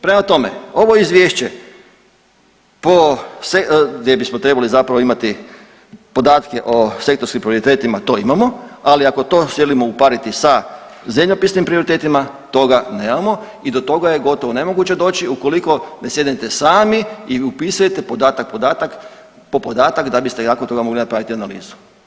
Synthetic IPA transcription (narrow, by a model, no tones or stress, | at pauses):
pɾe̞mat̪o̞mḛo̞ʋo̞izʋjeʃt͡ɕe | poseɡd̪jebismot̪ɾe̞balizapɾaʋimat̪i | po̞d̪aːt̪keʔo̞se̞kt̪o̞ɾskimpɾio̞ɾit̪eːt̪imat̪o̞ːimamoaliako̞t̪o̞ːsje̞limoupaɾit̪isa | zemʎopisnimpɾio̞ɾit̪e̞ːt̪imat̪o̞ɡaneːmamo̞ | id̪o̞t̪o̞ɡaje̞ɡo̞t̪o̞ʋone̞mo̞ɡut͡ɕed̪o̞ːt͡ɕiuko̞liko̞nesje̞d̪nit̪e̞saːmiiupiːsujet̪e̞pod̪aːt̪ak̚pod̪aːt̪ak | po̞pod̪aːt̪akd̪abist̪enakont̪o̞ɡamo̞ɡlinapɾaʋit̪ianalḭːzu̥